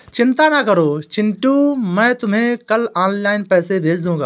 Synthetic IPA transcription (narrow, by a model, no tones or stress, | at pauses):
t͡ʃɪnt̪aːnakəɾoːt͡ʃɪɳʈũːmɛ̃ːt̪ʊmɦẽkəlaːnlaːɪnpɛːsebʱeːsd̪ũːɡaː